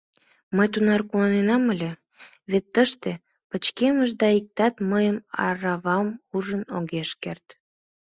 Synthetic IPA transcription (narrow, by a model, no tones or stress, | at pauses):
məjt̪unɑrkuɑnenɑməlʲe | βet̪ːəʃt̪e | pət͡ɕkeməʒd̪ɑik̚t̪ɑt̪məjəmɑ̰ɾɑβɑmuʒənoɣeʃkert̪